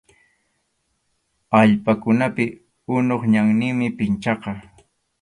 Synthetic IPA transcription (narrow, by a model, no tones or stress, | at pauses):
aʎpakʊnapɪ | ʊnoχɲaŋnɪŋmɪpɪnt͡ʃɑqɑ